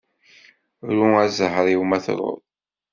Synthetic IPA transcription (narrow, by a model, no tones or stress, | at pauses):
ɾuæzəhɾˤiwmæθɾˤo̰ɾˤ